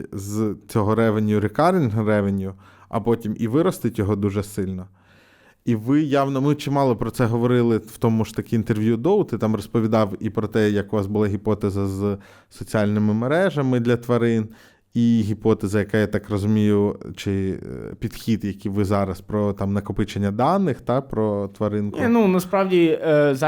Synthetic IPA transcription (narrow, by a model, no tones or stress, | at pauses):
zt͡sʲɔɦɔɾɛʋenʲjʊɾʲɪkɑɾnʲrɛʋenʲjʊ | ɐ̰pɔtʲimʔiʋɪɾɔst̪ɪtʲjɔɦɔd̪uʒɛsɪlʲnɔ | iʋɪjɑʋnɔmɪt͡ʃɪmɑlˠɔpɾɔt̪sɛɦɔʋɔɾɪlˠɪw̥t̪ɔmʊʒ̥t̪ɐkʲɪint̪erʋʲjud̪ɔwt̪ɪt̪ɑmrɔspɔʋʲid̪ɑwipɾɔt̪ɛjɐkʊʋɑsbʊlˠɑɦʲipɔt̪ezɐz | sɔt͡sʲialʲnɪmɪmeɾɛʒɐmɪd̪lʲɐt̪ʋɐɾɪn | iɦʲipɔt̪ɛzɐjɐkajat̪ɑkrɔzʊmʲijʊt͡ʃɪ̰pʲid̪xʲid̪jɐkʲiʋɪzɑɾɐspɾɔt̪ɑmnɐkɔpɪt͡ʃenʲːɐd̪ɑnːɪxt̪ɑpɾɔt̪ʋɐɾɪnknunɐspɾɑwdʲiz